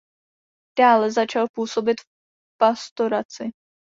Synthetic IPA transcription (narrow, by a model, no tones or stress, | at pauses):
d̥aːlɛzat͡ʃalpuːso̞bɪt̪f | past̪o̞ɾat͡sɪ